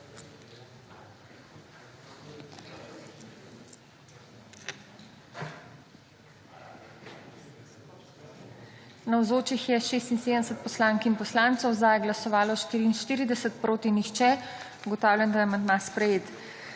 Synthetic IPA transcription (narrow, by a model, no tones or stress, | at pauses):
nawzoːt͡ʃixjɛʃeːst̪inseːd̪ənd̪ɛsət̪̚pɔslaːŋkinpɔslant̪sɔwzd̪ajɛɡlasɔʋaːlɔʃt̪iːɾiːnʃt̪iːɾid̪ɛsət̪pɾʔoːt̪inixt͡ʃɛ | uɡɔt̪aːwlʲjɛnd̪ajɛmɛnd̪maspɾɛjeːt̪